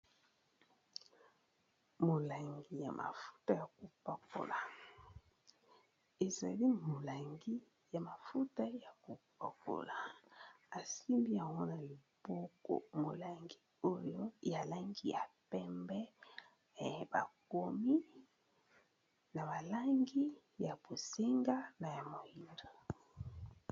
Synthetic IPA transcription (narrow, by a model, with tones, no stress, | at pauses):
mo˨la˨ŋɡi˨ja̰˨mʔa̰˨fu̥˦ta˦ja˨ko˨pa˨ko̰˨la˨ | e˨za˨li˦mo˨la˨ŋɡi˦ | ja˨ma˨fu˦ta˦ja˨ko˨pa˨ko̰˨la˨ | a˨si˦mbi˦a˨wɔ˦na˨li˨b̥ɔ˦ko̰˦mo˨la˨ŋɡi˦ | o˦jo˦ja˨la˦ŋɡi˦ja˨pɛ˦mbɛ˦˨ | ba̰˨ko˦mi˦ | na˨ba˨la˦ŋɡi˦ | ja˨b̥o˨se˦ŋɡa˦na˨ja˨mo˨ji˨ndo˨